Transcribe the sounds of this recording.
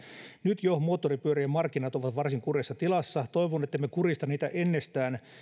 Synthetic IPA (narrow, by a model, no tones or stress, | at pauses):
nyt̪jomoːt̪ːoripyøɾijɑmɑrkːinɑt̪oʋɑt̪ʋɑrsiŋkurjɑsːɑt̪ilɑsːɑt̪oiʋonet̪ːeimekurist̪ɑniːt̪æʔenːest̪æːn